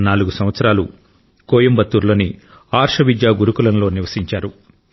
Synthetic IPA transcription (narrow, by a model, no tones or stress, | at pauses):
naːluɡusɐmʋɐt̪sɐɾaːlu | koːjɐmbɐt̪ːuːɾlo̞ːni | aːɾʂɐʋid̪jaːɡuɾukulɐnloːniʋɐsiɲt͡ʃaːɾu